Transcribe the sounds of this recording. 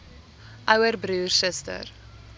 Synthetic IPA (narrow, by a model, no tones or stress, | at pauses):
ʔœwərbɾuːrsəstə̰r